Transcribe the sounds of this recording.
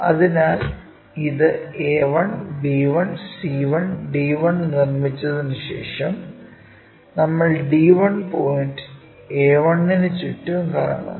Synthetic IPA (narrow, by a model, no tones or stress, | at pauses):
ɐ̰ðinaːl | iðɨeːʋɐɳɖiːʋɐɳsiːʋɐɳɖiːʋɐɳnirmit͡ɕːɐðɨnɨɕḛːʂɐm | nɐmːɐɭɖiːʋɐɳpoːjinɖɨ̥ | eːʋɐɳːinɨt͡ɕuʈːɐunkaːrɐ̰ɳɐ̰